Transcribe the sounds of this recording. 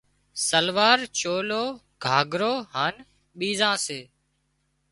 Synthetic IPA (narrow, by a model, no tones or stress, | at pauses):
səlʋaːɾt͡ʃoːloː | ɡʱaːɡɾoːɦaːn | ɓiːzãːseː